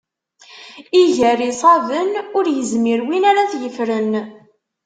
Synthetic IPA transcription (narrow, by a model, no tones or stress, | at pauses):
iʝæɾisˤɑðənʊɾjəzmiɾwinaɾaθjəfɾən